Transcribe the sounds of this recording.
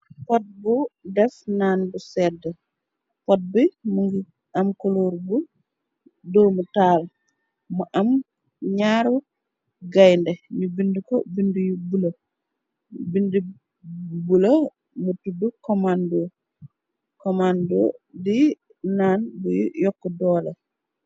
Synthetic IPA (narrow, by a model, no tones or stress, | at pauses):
pɔt̚budɛfnaːnbusɛdːɛ | pɔt̚bimuŋɡi | amkoloɾbu | doːmutaːl | muʔam | ɲaːɾu | ɡajndɛmibindikɔ̰bindujubulo | bindi | bulo | mutudukɔmando | kɔmandodi | naːnbujjɔkːɔdɔːlɛ